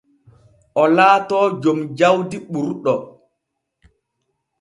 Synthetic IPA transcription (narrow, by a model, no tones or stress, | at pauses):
ʔɔlaːtɔːd͡ʒomd͡ʒawdiɓuɾɗɔ